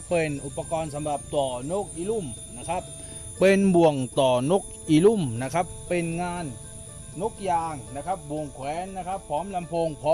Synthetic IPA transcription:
pee˨˩nʔu˨˩pːa˧kɔː˧nsa˨˦mɾa˨˩p̚t̪ɔː˨˩noː˥˩k̚ʔiː˧lu˥˩mna˦˥kʰa˦˥p̚ː | e˧nbu˨˩əŋt̪ɔː˨˩no˦˥˩k̚ʔiː˧˩lu˥˩mna˦˥kʰa˦˥pːe˧nŋaː˧nː | o˦˥k̚jaː˨˩ŋna˦˥kʰa˦˥p̚bu˨˩əŋkʰwɛː˨˦˥nːa˦˥kʰa˦˥pʰːɔː˨˦˥mla˧mpʰoː˧ŋpʰɔː˨˦

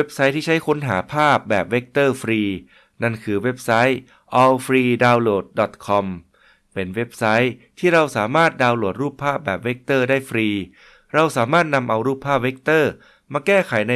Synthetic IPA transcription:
we˦˥p̚sa˦˥jt̪ʰiː˥˩t͡ɕʰa˦˥jkʰo˧˥nɦa̰ː˩˦pʰaː˥˩p̚bɛː˨˩p̚we˦˥k̚t̪ɤː˥˩fɾiː˧ | na˥˩nkʰɯː˧we˦˥p̚sa˦˥j | ʔɔ˧wfɾiː˧daː˧wloː˨˩t̪̚dɔ˨˩t̪̚kʰɔ˧m | pe˧nwe˦˥p̚sa˦˥jt̪ʰiː˥˩ɾa˧wsaː˩˦maː˥˩t̪̚daː˧wlu˨˩t̪̚ɾuː˥˩pʰːaː˥˩p̚bɛː˨˩p̚we˦˥k̚t̪ɤː˥˩daː˥˩jfɾiː˧ | ɾa˧wsaː˩˦maː˥˩t̪̚na˧mʔa˧wɾuː˥˩pʰːaː˥˩p̚we˦˥k̚t̪ɤː˥˩ | maː˧kɛː˥˩kʰa˩˦jna˧

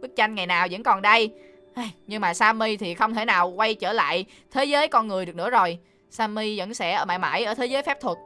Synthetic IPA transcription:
ɓi˦˥k̚t͡ɕa˧jŋ̟ŋa˨˩jnaː˨˩wzə̰˧˥nkɔ˨˩nɗə˧j | ʔa˧jɲɨ˧ŋmaː˨˩saː˧mi˧t̪ʰi˨˩xə˧wŋ͡mt̪ʰe˧˩naː˨˩wkwa˧jt͡ɕəː˧˩la̰ː˧˨j | t̪ʰe˨˦zəː˨˦jkɔ˧nŋɨ˨˩əɗɨ˨˩k̚nɨ̰˧˥əzo˨˩j | saː˧mi˧və̰˧˥nsɛ̰˧˥ʔəː˧˩ɓa̰ː˧˨jma̰˧˩jʔəː˧˩t̪ʰe˨˦zəː˨˦jfɛ˦˥p̚t̪ʰwə˨˩t̚

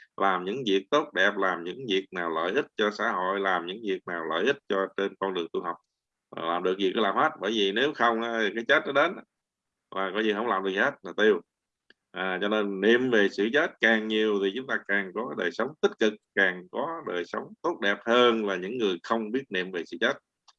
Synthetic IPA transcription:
laː˨˩mɲɨ̰˧˥ŋvi˨˩ək̚t̪o˦˥t̚ɗɛ˨˩p̚laː˨˩mɲɨ̰˧˥ŋvi˨˩ək̚naː˨˩wlə̰ː˧˨jʔi˦˥t̚t͡ɕɔ˧sa̰ː˧˥ho̰˧˨jlaː˨˩mɲɨ̰˧˥ŋvi˨˩ək̚naː˨˩wlə̰ː˧˨jʔi˦˥t̚t͡ɕɔ˧t͡ɕe˧nkɔ˧nɗɨ˨˩əŋt̪u˧ɦa˨˩wk͡p̚ | a˨˩laː˨˩mɗɨ˨˩ək̚vi˨˩k̚ːlaː˨˩mhe˦˥t̚ɓə̰ː˧˩jvi˨˩ne˨˦wxə˧wŋ͡mʔaː˨˦t̪ʰi˨˩kaː˨˦jt͡ɕə˦˥t̚nɔ˨˦ɗe˨˦n˧ | laː˨˩kɔ˨˦zi˨˩kɦŋ͡mlaː˨˩mɗɨ˨˩˧hə˦˥t̚laː˨˩t̪i˧əw | ʔaː˨˩t͡ɕɔ˧ne˧nːḭ˧˨mve˨˩sɨ̰˧˨t͡ɕə˦˥t̚kaː˨˩ŋɲi˨˩əwt̪ʰi˨˩t͡ɕʊ˨˦ŋ͡mt̪aː˧kaː˨˩ŋkɔ˨˦ɗəː˨˩jsə˨˦wŋ͡mt̪ï˦˥t̚kɨ˨˩k̚kaː˨˩ŋkɔ˨˦ɗəː˨˩jsə˨˦wŋ͡mt̪o˦˥t̚ɗɛ˨˩p̚həː˧nlaː˨˩ɲɨ̰˧˥ŋːɨ˨˩əjxə˧wŋ͡mɓi˦˥ət̚nḭ˧˨əmve˨˩sɨ̰˧˨t͡ɕəː˦˥t̚

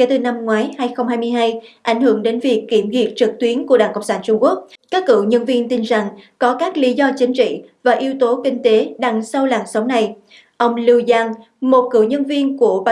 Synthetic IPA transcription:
ke˧˩t̪ɨ˨˩na˧mŋwaː˨˦jhaː˧jxə˧wŋ͡mhaː˧jmɨ˧əjɦaː˧jʔa̰˧˩jŋ̟hɨ˧˩əŋɗe˨˦nvi˨˩əkːi˧˩əmɣi˨˩ət̚t͡ɕɨ˨˩k̚t̪wi˨˦ənku˧˩əɗaː˧˩ŋkə˧˨ŋ͡msaː˧˩nt͡ɕʊ˧ŋ͡mku˦˥ək̚kaː˦˥kːɨ̰˧˩wɲə˧nvi˧ənt̪i˧nza˨˩ŋkɔ˨˦kaː˦˥k̚li˨˦zɔ˧t͡ɕï˨˦ŋ̟t͡ɕḭ˧˨vaː˨˩ʔi˨˦əwt̪o˨˦kï˧ŋ̟t̪e˨˦ɗa˨˩ŋsə˧wlaː˨˩ŋsə˨˦wŋ͡mna˨˩j | ʔə˧wŋ͡mli˧wzaː˧ŋ | mo˨˩t̚kɨ̰˧˩wɲə˧nvi˧ənku˧˩əɓa˧

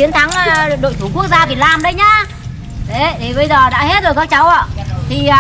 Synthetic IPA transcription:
i˨˦ənt̪ʰa˨˦ŋ˨ɗo̰˧˨jt̪ʰu˧˩ku˦˥ək̚zaː˧vi˨˩laː˨˩mɗə˨˦jɲa˧˦ | ɗe˨˦t̪ʰe˨˩ɓə˧jzəː˨˩ɗa̰ː˧˥he˦˥t̚ɗə˨˩kaː˦˥k̚t͡ɕa˨˦wʔa̰ː˧˨ʔt̪ʰi˨˩˨

